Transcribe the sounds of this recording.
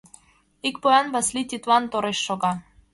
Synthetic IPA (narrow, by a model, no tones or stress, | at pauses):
ikpojɑnbɑslʲit̪it̪wɑnt̪oɾeʃːoɣɑ